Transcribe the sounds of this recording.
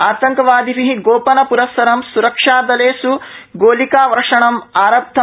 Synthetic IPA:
aːt̪ɐŋkɐʋaːd̪iʋiɦiɡoːpɐnɐpuɾɐsɐɾɐmsuɾɐkʂaːd̪ɐleːsuɡoːlikaːʋɐɾɐʂɐɳɐmaːɾɐp̚t̪ʰːɐ

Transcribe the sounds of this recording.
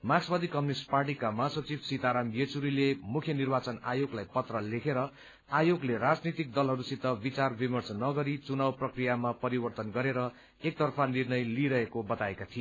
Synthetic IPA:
maɡsbʌd̪ikʌminisʈparʈ̬ikamʌɦasʌt͡sibsit̪aɾamjet͡suɾilemukʰjʌnirbat͡sʌna̰joɡlajpʌt̪rʌlekʰeɾʌ | ajoɡleɾad͡znit̪ik̚d̪ʌlɦʌɾusit̪ːʌbit͡sarbimʌrsnʌɡʌɾit͡sunawprʌkrijamapʌɾibʌrt̪ʌnɡʌɾeɾʌ | ek̚t̪ʌrpʰanirnʌjliɾʌɦekobʌt̪aekat̪ʰie

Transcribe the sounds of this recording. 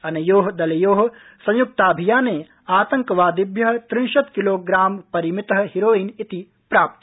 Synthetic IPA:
ɐnɐjoːɦɐd̪ɐlɐjoːɦɐ | sɐ̃juk̚t̪aːbʱijaːneː | aːt̪ɐŋkɐʋaːd̪ibʱjɐɦɐ̆t̪ɾiːʃɐt̪kiloːɡɾaːmpɐɾimit̪ɐɦɐ̆hiɾoːiːnit̪i | pɾaːp̚t̪

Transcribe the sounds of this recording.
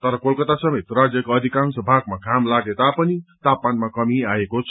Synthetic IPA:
t̪ʌɾʌkolkʌt̪asʌmet̪rad͡zjʌkoʌd̪ʱikansʌbʱaɡmaɡʱamlaɡet̪apʌnit̪apːanmakʌmiaekot͡sʰ

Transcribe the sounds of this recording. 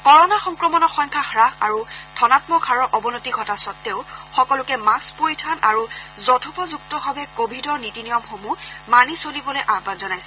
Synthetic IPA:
kɔɹɔnaxɔŋkɹɔmɔnɔxɔɲkʰaxɹaxa̰ɹutʰɔnatmɔkʰaɹɔɹʔɔbɔnotiɡʱɔtasɔtːeʊxɔkɔlʊkɛmaspoɹitʰanʔaɹuzɔtʰɔpɔzuk̚tɔbʱabɛkobʱidɔɹnitinijɔmxomumanisolibɔlɛʔabanzɔnajsɛ

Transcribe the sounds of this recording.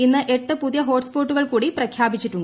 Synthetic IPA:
inːɨʔe̞ʈːɨpuðijɐɦo̞ːʈspoːʈːuɣɐɭkuːɽiprɐkʰjaːbit͡ɕːiʈːuɳɖɐ

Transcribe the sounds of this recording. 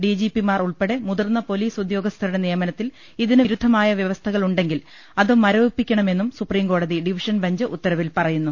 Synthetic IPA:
ɖid͡ʑipimaːruɭpe̞ɽemuðɐrnːɐpo̞liːsud̪jo̞ːɡɐst̪ʰɐɾuɽe̞nijɐmɐnɐt̪ːil | iðinɨɾud̪ʱːɐmaːjɐʋjɐʋɐst̪ʰɐɣɐɭuɳɖe̞ŋɡil | ɐðumɐɾoːpːikʲːɐɳɐme̞nːumsupriːmko̞ːɽɐðiɖiʋiʂɐnbɐɲd͡ʑɨʔut̪ːɐɾɐʋilpɐrɐjunːu

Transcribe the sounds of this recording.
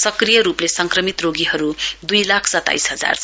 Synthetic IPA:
sʌkrijʌɾuplesʌŋkrʌmit̪roɡiɦʌɾud̪ujlakʰsʌt̪ːa̰jsɦʌd͡za̰r

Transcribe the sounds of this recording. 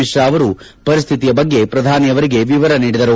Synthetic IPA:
iʂɾɐːʋɐɾu | pɐɾist̪ʰit̪ijɐbɐɡːe̞pɾɐd̪ʱaːnijɐʋɐɾiɡe̞ʋiʋɐɾɐniːɽid̪ɐɾu

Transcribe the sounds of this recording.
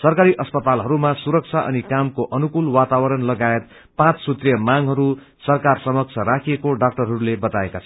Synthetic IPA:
sʌrkaɾiʔʌspʌt̪alɦʌɾumasuɾʌk̚t͡sʰaʔʌnikamkoʔʌnukulwat̪awʌɾʌnlʌɡaet̪ | pãt͡ssut̪rijʌmaŋɦʌɾu | sʌrkarsʌmʌk̚t͡sʰʌɾakʰiekoɖak̚ʈʌrɦʌɾulebʌt̪aekat͡sʰʌ

